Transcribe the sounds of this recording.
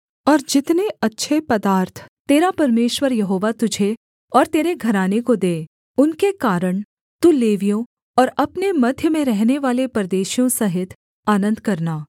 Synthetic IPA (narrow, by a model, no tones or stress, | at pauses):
ɔːɾd͡ʒɪt̪neɐtːʃʰepɐd̪aːɾt̪ʰt̪eːɾapɐɾmeːʃʋəɾjɐɦoːʋat̪ʊd͡ʒʱe | ɔːɾt̪eːɾeɡʱɐɾaːnekod̪eː | ʊnkekaːɾəɳ̃ | t̪uleːʋijõ | ɔːɾɐpnemɐd̪ʱjəmẽɾɛɦneʋaːlepɾɐd̪eːʃijõsɐɦɪt̪ʰ | aːnə̃nd̪kɐɾnaː